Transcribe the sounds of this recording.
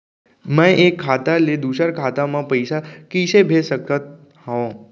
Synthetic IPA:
mə̃ʔekʰːat̪aled̪uʃaɾkʰat̪amãpəjsakiʃebʱesəkət̪̚ | haõ

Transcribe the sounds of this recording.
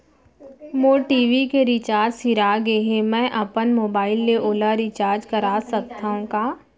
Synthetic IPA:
moːʈiːʋikeɾɪt͡ʃaːɾd͡ʒsɪɾaɡeɦẽmɛ̃ːʔɐpənmoːbaːɪlːeʔoːlaɾɪt͡ʃaːɾd͡ʒkɐɾaːsɐk̚t̪aːɦũkaː

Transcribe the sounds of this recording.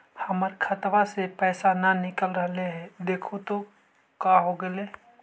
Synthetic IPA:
hɐməɾkʰət̪ʋasepɛːsananɪkəlɾəɦleɦɛd̪eːkʰot̪o | kaɦoɡəleː

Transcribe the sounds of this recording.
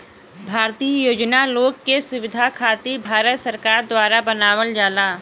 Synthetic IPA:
bʱaːɾt̪iːəjoːd͡ʒnaloːɡːesʊʋɪd̪ʱakʰaːt̪ibʱaːɾət̪səɾkaːɾd̪waːɾabɐnaːwəld͡ʒaːlaː

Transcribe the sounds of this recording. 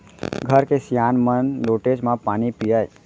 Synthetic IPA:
ɡʱəɾkesjaːnmənloːʈed͡ʒmãpaːnipijəj

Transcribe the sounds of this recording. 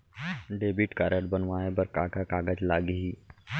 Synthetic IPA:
ɖebiʈkaɾəʈbənʋaebəɾkaɡakaɡad͡ʑlaɡiɦi

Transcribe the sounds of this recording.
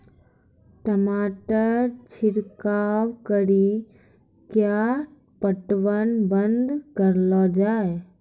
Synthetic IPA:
ʈəmaːʈəɾt͡ʃʰɪɾkaːwkəɾi | kja | pəʈʋənbənd̪kəɾlɔd͡ʒaːe

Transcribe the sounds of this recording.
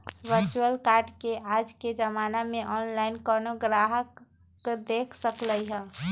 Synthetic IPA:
ʋəɾt͡ʃuəlkaːɾɖkeaːd͡ʒked͡ʒəmaːnamẽʔɔːnlaɪnkɔɾnoɡɾaːɦək | d̪eːkʰsəkləiɦɛ̃ː

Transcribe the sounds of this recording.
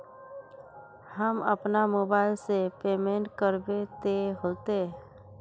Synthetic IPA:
həmə̰pnamoːbaːɪlsepeːmẽːɳʈkəɾbet̪eɦoːt̪e

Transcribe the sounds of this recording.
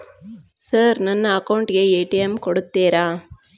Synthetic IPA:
sɐːɾnɐnːɐɐkɐʊɳʈjeeːʈɪjɐmkɔɽɯt̪ːeːɾaː

